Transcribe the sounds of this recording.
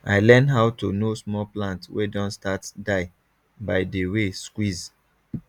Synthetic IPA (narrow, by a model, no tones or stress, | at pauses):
a̰ɪlɛ̃nɦaʊtunosmɔplãntwedɔ̃nstatdaɪ | baɪdəweskwiz